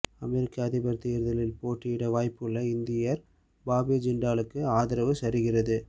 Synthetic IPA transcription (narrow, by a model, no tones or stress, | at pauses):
ɐmɛɾɪkːɐːðɪbɐɾt̪ːɪjɐɾðɐlɪlpoːʈːɪjɪɽɐʋaːjpːɯɭːɐɪnd̪ɪjɐɾ | baːbid͡ʒɪɳɖaːlɯkːɯaːðɪɾɐʋɯsɐɾɯɣɪrɐðɯ